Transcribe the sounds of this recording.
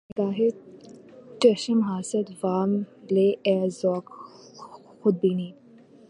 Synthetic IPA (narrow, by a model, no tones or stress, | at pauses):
kaːɦe | ʈeʃəmɦaːsət̪ʋaːmleːɛːzɔːk | xʊd̪̚biniː